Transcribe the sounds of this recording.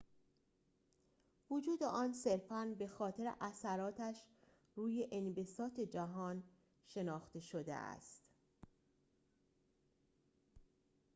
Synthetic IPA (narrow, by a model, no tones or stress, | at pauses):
vod͡ʒuːd̪eʔɒːnse̞ɾfænbe̞xɒːt̪ʰe̞ɾḛʔæsæɾɒːt̪ʰæʃ | ɾuːjeʔenbe̞sɒːt̪ʰe̞d͡ʒæɦɒːn | ʃe̞nɒːxt̪e̞ʃod̪e̞̰ʔæ̰st̪